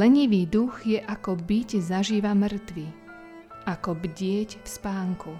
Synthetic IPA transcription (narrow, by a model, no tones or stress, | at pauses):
lɛɲiʋiːd̪uɣjɛʔakɔbiczaʒiːʋamər̩t̪ʋi | ʔakɔbɟɪɛcfspaːŋku